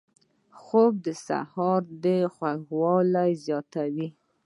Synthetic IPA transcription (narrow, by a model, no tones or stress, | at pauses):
xob̚d̪əsa̰hɑɾd̪əxwaɡwɑlajzjɑt̪awi